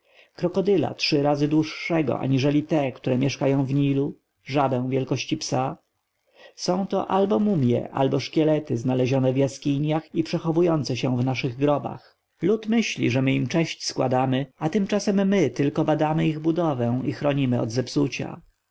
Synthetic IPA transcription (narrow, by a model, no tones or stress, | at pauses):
kɾɔkɔd̪ɘla̰tʂɘɾazɘd̪wuʂːɛɡɔ̰ʔa̰ɲiʐɛlʲit̪ɛkt̪uɾɛmʲjɛʂkajɔ̃w̃vɲilu | ʐab̪ɛ̃w̃vʲjɛlkɔɕt͡ɕipsa | sɔ̃w̃t̪ɔ̰ʔalbɔmumʲjɛ̰ʔa̰lbɔʂkʲɛlɛt̪ɘznalɛʑɔnɛvjaskʲiɲjaxipʂɛxɔvujɔnt̪sɛɕɛ̃vnaʂɘɣɡɾɔba̰x | lut̪mɘɕlʲḭʐɛmɘimt͡ʂɛɕt͡ɕskwa̰d̪amɘat̪ɘmt͡ʂasɛmːɘt̪ɘlkɔbad̪amɘiɣbud̪ɔvɛ̃ixɾɔɲimɘɔ̰d̪zɛpsut͡ɕa̰